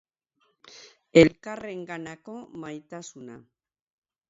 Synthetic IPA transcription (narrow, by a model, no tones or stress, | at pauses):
e̞lkare̞ŋɡanako̞majt̪asuna